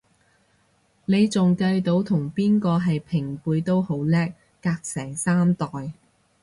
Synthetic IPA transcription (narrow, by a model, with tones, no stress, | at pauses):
ne˨˧jt͡sʊ˨ŋkɐ˧jt̪o˨˧˥wt̪ʰʊ˨˩ŋpiː˥nkɔː˧ɦɐ˨jpʰɪ˨˩ŋpuː˨˧jt̪o˥who˨˥wlɛː˥k̚ːaː˧k̚sɛː˨˩ŋsaː˥mt̪ɔː˨j